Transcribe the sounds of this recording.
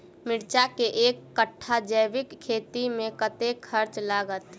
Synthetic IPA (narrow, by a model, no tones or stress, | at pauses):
mɪɽt͡ʃakeʔeːkːəʈʰːad͡ʒəjʋɪkʰːeːt̪imẽkət̪ekʰəɾt͡ʃlaːɡət̪